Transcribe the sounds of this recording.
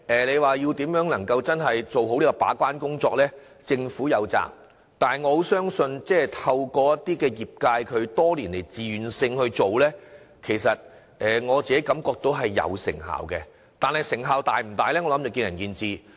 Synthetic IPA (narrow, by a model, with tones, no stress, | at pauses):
ɛː˨le˨˧jwaː˨ji˧wt̪iː˨˥mjœː˨˥ŋnɐ˨˩ŋkɐ˧wt͡sɐ˥nɦɐ˨jt͡so˨wɦo˨˥wliː˥kɔ˧pa̰ː˨˥kʷaː˥nkʊ˥ŋt͡sɔː˧k̚lɛː˥ | t͡sɪ˧ŋfuː˨˥jɐ˨˧wt͡sa̰ː˨˩k̚ | t̪aː˨nɦɐ˨jŋɔː˨˧ho˨˥wsœː˥ŋsɵ˧nt͡sɛː˥˨t̪ʰɐ˧wkɔː˧jɐ˥tt̪ːiː˥kɛː˧jiː˨p̚kaː˧jkʰɵ˨˧ɥt̪ɔː˥liː˨˩nle˨˩jt͡siː˨y˨nsɪ˧ŋhɵ˧ɥt͡so˨wlɛː˥ | kʰe˨˩jsɐ˨t̚ | ɛː˨˩ŋɔː˨˧t͡siː˨ke˨˥jkɐ˨˥mkɔː˧k̚t̪o˧wɦɐ˨jːɐ̰˨˧wsɪ̰˨˩ŋɦa̰ː˨wkɛ˧ | t̪aː˨nhɐ˨jsɪ˨˩ŋɦaː˨wt̪aː˨jm̩˨˩t̪aː˨jlɛː˥ŋɔː˨˧lɐ˨˥mt͡sɔ˨˧kiː˧njɐ˨˩njiː˨˧nt͡siː˨˧